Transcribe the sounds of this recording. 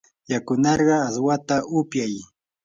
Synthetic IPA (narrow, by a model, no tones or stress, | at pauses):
jakʊnɑɾɢɑːswat̪aʔʊpjaj